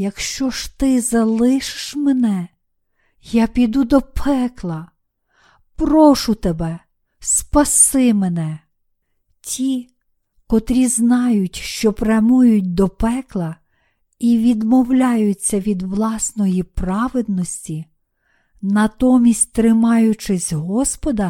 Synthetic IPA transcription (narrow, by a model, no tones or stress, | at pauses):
jɐkʃt͡ʃɔʃt̪ɪzɐlˠɪʃɪ̥ʃmenɛ | japʲid̪ud̪ɔpʰɛklˠɐ | pɾɔʃʊt̪ebɛ | spɐsɪmenɛ | tʲʰi | kɔt̪ɾʲiznɑjʊtʲʃt͡ʃɔpɾʲɐmujʊt̚ʲd̪ɔpɛklˠɐ | iʋʲid̪mɔwlʲɑjʊt͡sʲːɐʋʲid̪ʋlˠɑsnɔjipɾɑʋed̪̚nɔsʲtʲi | nɐt̪ɔmʲisʲtʲt̪ɾɪmɑjʊt͡ʃɪsʲɦɔspɔd̪ɐ